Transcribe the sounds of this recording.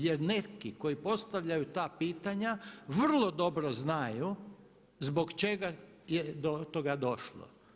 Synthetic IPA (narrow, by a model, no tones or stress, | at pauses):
jeɾnekiko̞jipo̞st̪aʋʎajut̪aːpiːt̪aɲaʋr̩lˠod̪o̞bɾoznaju | zbo̞ɡt͡ʃe̞ɡa | jed̪ot̪oɡad̪o̞ʃlˠo̰